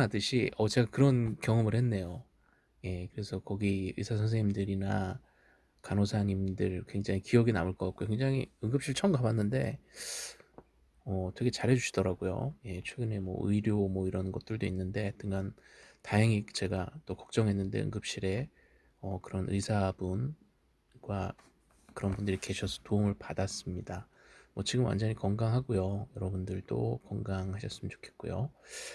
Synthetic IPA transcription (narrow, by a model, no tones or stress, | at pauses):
adɯɕʰiʌt͡ɕe̞ɡakɯɾʌnkjʌŋɯmɯɭhe̞nːe̞jo | je̞kɯɾe̞sʰʌkʌɡiɯisʰasʰʌnsʰeŋɲimdɯɾina | kanosʰaɲimdɯɭkwe̞ŋd͡ʑaŋikijʌɡinamɯɭk͈ʌk͈ak͈̚okweŋd͡ʑaŋiɯŋɡɯp̚ɕ͈iɭt͡ɕʰʌmɡabanːɯnde̞ | ʌtʰwekʰet͡ɕaɾɦe̞d͡ʑuɕʰi̥d̥ʌɾaɡojo̰je̞t͡ɕʰwe̞ɡɯne̞mwʌ̰ɯ̰iɾjomʌiɾʌnɡʌt͈̚ɯɭdoinːɯnde̞tɯŋɡantaɦʌŋit͡ɕe̞ɡat͈okʌk̚t͡ɕ͈ʌŋɦe̞nːɯnde̞̰ɯ̰ŋɡɯp̚ɕ͈iɾe̞ | ʌkɯɾʌnʔɯ̰isʰabun | ɡwa | kɯɾʌnbundɯɾike̞ɕʰʌsʰʌ̥toumɯɭpadas͈ɯmɲida | mwʌt͡ɕiɡɯmwa̰nd͡ʑʌɲikʌŋɡaŋɦaɡujojʌɾʌbundɯɭt͈o̰kʌŋɡaŋɦaɕʰʌs͈ɯmʌnt͡ɕo̥kʰe̞t̚k͈ujo̰